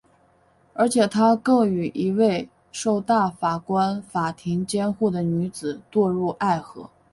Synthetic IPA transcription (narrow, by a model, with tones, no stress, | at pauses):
ə˞˧˥t͡ɕʰjɛ˨˩t̪ʰa˥kɤ˥˩ŋy˨˩ʔi˧˥we˥˧ɪ | ʂo˥˧ʊt̪a˥˩fa˨˩kwa˥nfa˨˩t̪ʰi˧˥ŋt͡ɕjɛ˥nxu˥˩d̪ə˩ny˧˥t͡sɹ̩˨˩t̪wɔ˥˧ɻu˥˧ʔa˥˩ɪxɤ̰˧˥